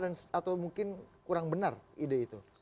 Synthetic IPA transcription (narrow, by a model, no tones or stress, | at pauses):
dansat̪awmuŋkɪnkuɾaŋbənaridait̪u